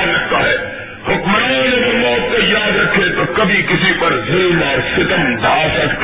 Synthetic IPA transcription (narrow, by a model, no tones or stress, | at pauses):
nɐk̚t̪aɦɛː | hʊkmənad͡ʒɐɡɐmɔːt̪̚kɐjaːd̪ɾɐkʰːet̪okɐbʱikɪsipɐɾzɪlmɔːɾsɪt̪əmd̪aːsɐk